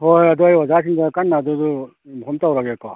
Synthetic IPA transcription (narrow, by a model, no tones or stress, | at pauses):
hojad̪uajwazas̬iŋdakanːaːdudu | mukʰɔmtawɾaɡekɔ